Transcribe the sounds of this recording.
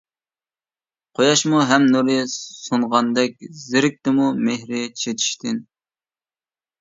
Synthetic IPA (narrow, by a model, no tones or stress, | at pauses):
qʰojɑʃmuɦɛmnuɾɪsoɴʁɑnd̪ɛk̚ʲzɪɾɪk̚ʲt̪ɪmumehɾɪt͡ʃʰet̪ʰi̥ʃt̪ɪn